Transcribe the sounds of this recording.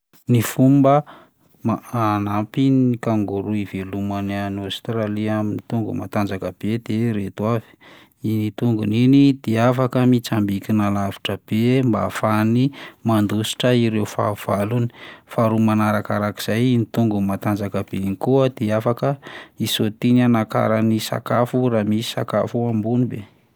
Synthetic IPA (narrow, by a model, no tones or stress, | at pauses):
nifumbə | maanapinikaŋɡuɾuivelumananast̪ɾaliaminit̪uŋɡṵma̰t̪and͡zakəb̥ed̪̥eɾet̪uavi̥ | init̪uŋɡuninid̪̥eafakəmit͡sambikʲinalavi̥ʈ͡ʂəb̥emba̰fanimand̪usi̥ʈ͡ʂəiɾewfa̰v̥aluni̥faɾumanaɾakaɾaki̥z̥ajinit̪uŋɡumat̪and͡zakəb̥enkuəd̪̥eafakəisot̪inanaka̰ɾanisa̰kafuɾamisi̥sa̰ka̰fuambunibe